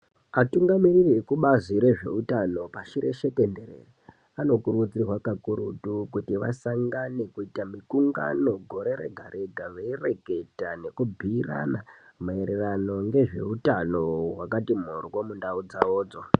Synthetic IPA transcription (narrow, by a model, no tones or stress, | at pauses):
atuŋɡamirirekuɓaziɾe̞ʐe̞̰utano̞paʃiɾe̞ʃe̞kendeɾḛ | ano̞kurɣud͡zirwakakuɾutukutiʋa̰saŋɡanekuitamikuŋɡa̰no̞ɡʱo̞ɾe̞ɾe̞̰ɡʱaɾʔe̞ɡʱaʋeire̞ɡʱe̞tane̞kubʱiːra̰namue̞ɾerano̞ŋɡe̞ʐe̞̰utano̞wakatim̤orwo̞mundaud͡zaoːd͡zo̞